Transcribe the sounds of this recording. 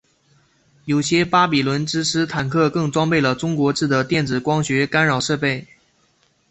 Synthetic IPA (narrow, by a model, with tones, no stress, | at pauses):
jo˨˩ʊɕjɛ˥pa˥pi˨˩lwə˧˥nʈ͡ʂɻ̩˥ʂʰɻ̩˥t̪ʰa˨˩nkʰɤ˥˧kɤ˥˩ŋt͡swɑ˥ŋpe˥˩ɪlə˩ʈ͡ʂʊ˥ŋkwɔ˧˥ʈ͡ʂɻ̩˥˩d̪ə˩t̪jɛ˥˩nt͡sɹ̩˨˩kwɑ˥ŋɕɥɛ˧˥ka˥nɻɑ˨˩ʊʂɤ˥˧pe˥˩ɪ